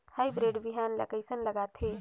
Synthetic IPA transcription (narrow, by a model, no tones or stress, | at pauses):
hajbɾeɖbiɦanlə̰ɡəɪsənləɡat̪ʰɦe